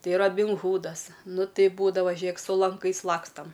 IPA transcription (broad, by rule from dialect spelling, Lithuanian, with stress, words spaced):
ˈtɐɪ rɐbʲɪnˈɣuːdɐs ˈnʊ ˈtɐɪ ˈbuːdɐʋɐ ˈʒʲeːk sʊ lˠɐŋˈkɐɪs ˈlˠɑːkstɐm